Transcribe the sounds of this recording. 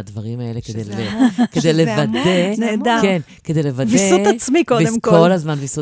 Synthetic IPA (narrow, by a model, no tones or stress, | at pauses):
ad̪vaʁimaeleked̪ejeked̪ejlevad̪eneːd̪aken | ked̪ejlevadviesutat͡smikod̪ekkolazmanvisu